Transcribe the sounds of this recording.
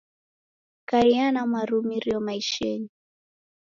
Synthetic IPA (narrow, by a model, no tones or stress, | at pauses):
kaɾianamwaɾumiɾiɔmaiʃɛni